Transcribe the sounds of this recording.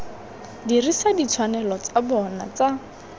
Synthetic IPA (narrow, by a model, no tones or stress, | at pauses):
dirisadit͡sʰwanɛlɔt͡sabɔna̰t͡sa